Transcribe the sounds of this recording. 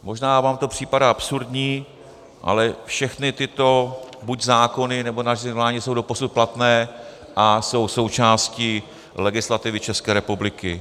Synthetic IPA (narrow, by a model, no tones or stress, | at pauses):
mo̞ʒnaːvaːmt̪o̞pr̝̥iːpadaʔapsuɾdɲiː | ʔa̰lɛfʃɛxnɪt̪ɪt̪o̞buɟzaːko̞nɪnɛbo̞naʒɪvlaːɲɪsowdo̞po̞sut̪̚plat̪nɛː | ʔaso̞wso̞wt͡ʃaːsci | lɛɡɪslat̪ɪvɪt͡ʃɛskɛːɾɛpublɪkɪ